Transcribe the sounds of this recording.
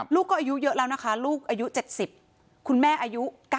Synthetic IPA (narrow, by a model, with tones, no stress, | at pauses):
luː˥˩kːɔː˥˩ʔaː˧ju˦˥jɤ˦˥ʔlɛː˦˥wna˦˥kʰa˦˥luː˥˩k̚ʔaː˧ju˦˥t͡ɕe˨˩t̪̚si˨˩p̚ | kʰu˧nmɛː˥˩ʔaː˧ju˦˥kaː˥˩